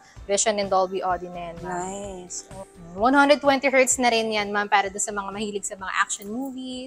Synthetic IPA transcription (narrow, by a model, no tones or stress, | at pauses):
vɛʃɐnɪnd̪olbiʔod̪inɛjɐnmasowɐnhand̪ɾɛd̪̚t̪ːwɛnt̪iɦɛɹt̪snɐɾɪnjanmampaːɾɐd̪onsɐmɐŋamɐhiːlɪɡ̚sɐmɐŋa̰ʔa̰k̚ʃonmuːvis